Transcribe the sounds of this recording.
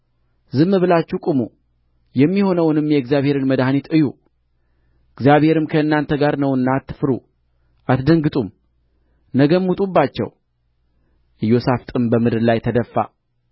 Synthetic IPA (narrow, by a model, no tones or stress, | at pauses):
zɨmːɨβɨlat͡ʃːukʼumu | jɛmːiho̞nəwnɨmjɛɨɡzijaβhe̞ɾɨnməd̪hanit̪ɨju | ɨɡzjaβhe̞ɾɨmkʰəɨnːant̪ʰəɡaɾnəwɨnːat̪ːɨ̥fɨɾu | ʔat̪d̪əŋɡɨt̪ʼum | nəɡəmːut̪ʼubːat͡ʃːɛ̰w | ʔɨjːosaft̪ʼɨmbəmɨd̪ɨɾlajt̪ʰəd̪əfːa̰